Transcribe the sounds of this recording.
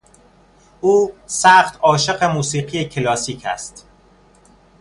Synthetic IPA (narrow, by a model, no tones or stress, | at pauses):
ʔuːsæxt̪ʰɒːʃe̞ɢe̞muːsiːɢijecʰelɒːsiːcʰæ̰st̪